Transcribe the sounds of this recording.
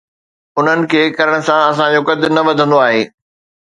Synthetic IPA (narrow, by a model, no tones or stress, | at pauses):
ʊn̤ənɪ̆kʰeːkɐɾəɽ̃̆sãɐs̬ãd͡ʑoːkɐd̪ɪnɐʋɐd̪ʱə̃nd̪oaːɦeː